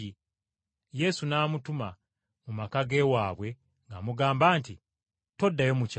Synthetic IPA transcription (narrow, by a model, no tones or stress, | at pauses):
i | je̞sunaːmutuma | mumakaɡe̞waːβwe̞ | ŋɡamuɡaːmbaːnti | to̞dːajo̞muca